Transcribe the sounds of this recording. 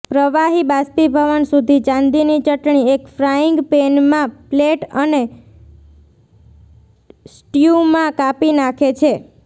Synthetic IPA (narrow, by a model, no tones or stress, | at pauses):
pɾəʋaɦibaspibʱəʋənsud̪ʱit͡ʃãnd̪init͡ʃəʈɳiekfɾaɪŋɡpenmãpleʈəne | sʈjumãkapinakʰet͡ʃʰe